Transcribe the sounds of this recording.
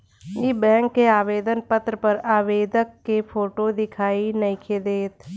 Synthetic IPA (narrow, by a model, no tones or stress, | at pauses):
jibɛ̃ːŋkːeaːʋeːd̪ənpət̪ɾəpɐɾaːʋeːd̪əkːepʰoːʈod̪ɪkʰaːinɐĩkʰeːd̪eːt̪